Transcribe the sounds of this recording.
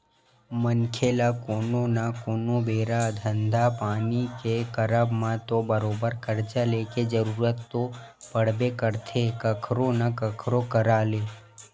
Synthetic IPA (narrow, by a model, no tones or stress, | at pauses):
mənkʰeːlakoːnonakoːnobeːɾad̪ʱə̃nd̪ʱapaːnikekəɾəbmãt̪obəɾoːbəɾkəɾt͡ʃaleked͡ʒəɾuːɾət̪ːo | pəɽ̤bekəɾt̪ʰekəkʰɾõnakəkʰɾokəɾaːleː